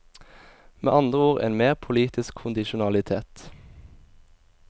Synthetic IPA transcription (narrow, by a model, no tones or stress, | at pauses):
mḛːʔɑnd̪ʁəuːʁḛːnmeːʁpʰʊliːt̪ɪskʰʊnd̪ɪʃʊnɑlɪt̪ʰeːt̪